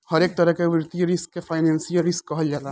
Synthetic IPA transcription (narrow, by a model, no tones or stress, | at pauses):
hɐɾeːk̚t̪ɐɾəɦkeʋɪɾt̪ijəɾɪskːefʰaːɪnɛ̃ːnsijəɾɪskːɐɦəld͡ʒaːla